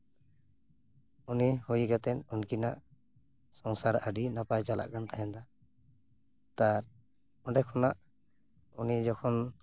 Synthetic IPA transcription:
unihujɡat̪ɛn̚unkinaʔ | sɔŋsaɾaɖinapajt͡ʃala̰ʔkant̪aɦɛnd̪a | t̪aɾ | ɔɖɛkʰɔnaʔ | unid͡ʒɔkʰɔn

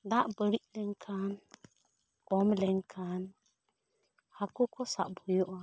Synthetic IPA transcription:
d̪aʔbəɾiʔlɛŋkʰan | kɔmlɛŋkʰan | hakukɔsa̰ʔbujɔʔa

